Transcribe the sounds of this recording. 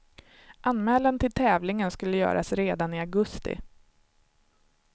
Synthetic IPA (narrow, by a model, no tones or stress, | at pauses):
ʔanmɛːlant̪ʰɪlt̪ʰɛːvlɪŋənskɵlːəjœ̰ːɾʔa̰sɾeːd̪anɪaɡɵst̪ɪ̰